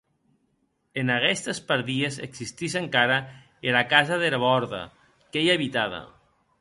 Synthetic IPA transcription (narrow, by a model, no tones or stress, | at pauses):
enaɣɛst̪espaɾðiesḛksist̪iʃeŋkaɾa | elakazaðeɾaβɔɾða̰ | kejaβit̪aða̰